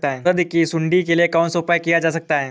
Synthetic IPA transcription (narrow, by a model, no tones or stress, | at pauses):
t̪aɦɛːɾəd̪kisʊ̃ɳɖikeliekaːnsoːpajkijad͡ʒaːsɐk̚t̪aɦɛː